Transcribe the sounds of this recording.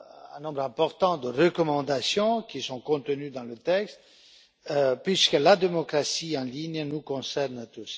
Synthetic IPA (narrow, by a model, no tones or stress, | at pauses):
ɛ̰̃nɔ̃bʁɛ̃pɔʁt̪ɑ̃d̪əʁəkɔmɑ̃d̪asjɔ̃kʲisɔ̃kɔ̃t̪ənyd̪ɑ̃lət̪ɛkst̪ | pɥiskəlad̪emɔkʁasiɑ̃liɲnukɔ̃sɛʁnt̪us